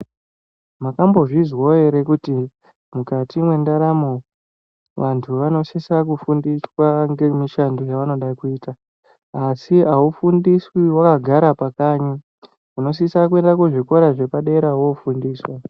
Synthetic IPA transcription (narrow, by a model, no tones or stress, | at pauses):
makambo̞ʐizwoe̞ɾe̞kuti | mukatimwe̞ndaɾamo | ʋantʰuʋano̞sisak̬ufundiswaŋɡe̞miʃandojaʋano̞ɗakuiːtaː | siaufundiswiwakaɡʱaɾapakaːɲa | uno̞s̬isak̬ue̞ndakuʐiko̞ɾaʐe̞paɗe̞ɾawoufundiːswa